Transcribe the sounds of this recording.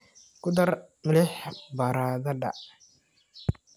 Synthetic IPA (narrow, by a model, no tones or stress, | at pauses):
kʊd̪ɐrmɪlɛħbɐɾaːðɐɖɐ̰